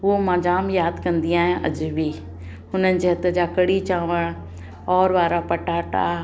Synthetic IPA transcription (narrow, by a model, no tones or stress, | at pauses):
ɦuomãːd͡ʑaːmjaːd̪kɐ̃nd̪iaːɦijãʔɐ̰d͡ʑbʱi | ɦʊnənɪ̆d͡ʑeːɦɐt̪əd͡ʑaːkɐɽit͡ɕaːʋəɽ̃ | ɔːɾʋaːɾapɐʈaːʈa̰